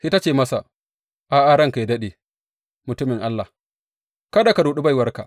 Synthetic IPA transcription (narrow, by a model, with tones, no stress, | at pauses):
hi˦ta˦t͡ʃeː˨mɐ˦sa̰˨ | ʔa˨ʔa˦ɽɐ˦ŋka˨jdɐ˦ɗe˨ | mʊ˨tʊ˦mɪ˨ŋʔa˦lːa˨ | kɐ˦da˨ka˨ɾuː˨ɗu˦ba˦jwɐ˦rka̰˨